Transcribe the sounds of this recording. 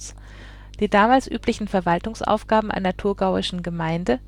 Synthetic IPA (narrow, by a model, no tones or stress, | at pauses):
d̥iːdaːmaːlsʔyːplɪçn̩fɛɐvaltʊŋsʔa̰ʊfɡ̥aːbm̩ʔa̰ɪnɐtʰuɐɡaʊɪʃn̩ɡəmaɪndə